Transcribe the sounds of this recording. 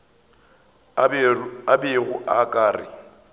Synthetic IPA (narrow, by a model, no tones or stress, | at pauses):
abɪɣʊʔakʼaːrɪ̰